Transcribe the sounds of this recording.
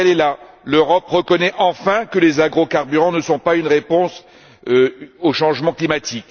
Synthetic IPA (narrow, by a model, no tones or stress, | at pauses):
ɛlɛla | løʁɔpʁəkɔnɛʔɑ̃fɛ̃kəlezaɡʁokaʁbyʁɑ̃nəsɔ̃paynʁepɔ̃s | oʃɑ̃ʒmɑ̃klimat̪ik